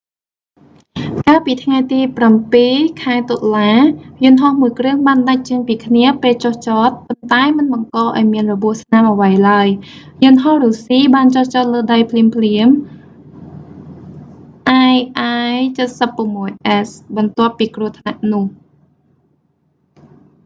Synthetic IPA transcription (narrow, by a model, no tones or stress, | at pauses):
kaːlpiːt̪ʰŋajt̪iːprampiːkʰaɛt̪olaːjʊ̆ənɦohmuəjkrɨəŋɓaːnɗac̚t͡ɕəɲpiːkʰniəpeːlt͡ɕoht͡ɕɑːt̪̚pʊnt̪aɛmɨnɓɑŋkɑːʔaɔjmiənrɔɓuəhsnamʔəʋəjlaəjjʊ̆nɦohruːsiːɓaːnt͡ɕoht͡ɕɑːt̪̚ləːɗajpʰliəmpʰliəm | ʔajʔajt͡ɕət̪̚səpːʊ̆əmːuəjʔɛsɓɑnt̪ŏəpːiːkruət̪ʰnaʔnʊ̆əh